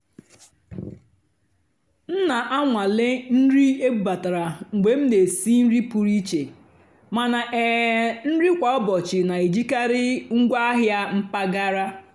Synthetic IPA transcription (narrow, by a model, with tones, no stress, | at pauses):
n̩˦na˨ʔa˦ŋʷa˨le˦n̩˦ɾi˦e˦ba˨ta˨ɾa˨ŋ̩˨ɡ͡be˨m̩˦ne˨si˦n̩˦ɾi˦pu˨ɾi˦t͡ʃe˨ | ma˨na˨ʔɛ˨n̩˦ɾi˦kʷa˨ɔ˦bɔ˨t͡ʃɪ˨na˨i˨d͡ʒi˦ka˦ɾɪ˦ŋ̩˦ɡʷa˦a˦ɦja˦m̩˦pa˦ɡa˦ɾa˦